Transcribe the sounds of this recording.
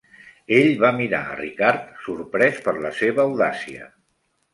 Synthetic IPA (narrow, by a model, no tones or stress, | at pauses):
eʎβamiɾa̰ə̰rikaɾt̪suɾpɾɛspəɾləseβəːwðasiə̰